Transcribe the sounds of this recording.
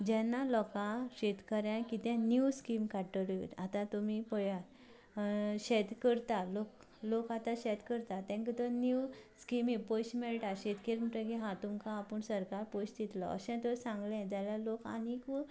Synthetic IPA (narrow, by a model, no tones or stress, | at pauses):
d͡ʑɛ̃nːalɔkãɕet̪kəɾjãkit̪ɛ̃njuskimkaʈəlet̪at̪ãt̪um̤ipɔja | ɕɛt̪kəɾt̪alok | lokat̪ãɕɛt̪kəɾt̪at̪ɛ̃ŋkit̪ɔnuskimipojɕmɛɭʈaɕet̪kelməʈəkiɦãt̪umkãːpəɳsəɾkaɾpojɕd̪it̪lɔ̰ə̰ɕɛ̃t̪ɔsãŋɡlɛ̃d͡zaljaloka̰niku